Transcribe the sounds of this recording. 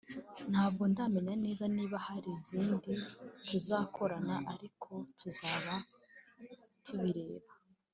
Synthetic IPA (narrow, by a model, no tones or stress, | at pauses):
n̥haːb̚ɡo̞ndaːme̞ɲane̞ːzaniːβahaɾiziːndituzaːkʰo̞ɾanaʔaɾikʰo̞tʰuzaːβa | tʰuβiɾe̞ːβa